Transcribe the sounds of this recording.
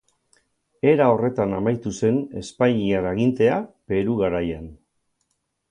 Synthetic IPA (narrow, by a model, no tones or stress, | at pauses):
e̞ɾao̞re̞t̪anamajt̪use̞ne̞̰spaɲiaɾaɣint̪e̞ape̞ɾuɣaɾajan